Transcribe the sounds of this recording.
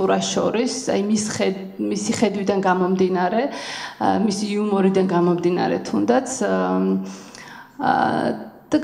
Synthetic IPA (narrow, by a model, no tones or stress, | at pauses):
uɾasʃɔ̰ɾisa̰jmisɛ | misiχɛd̪wid̪anɡamɔmd̪inaɾɛ | misiːumɔɾid̪anɡamɔmd̪ina̰ɾɛ̰t̪ʰund̪at̪sʰ | d̪̥a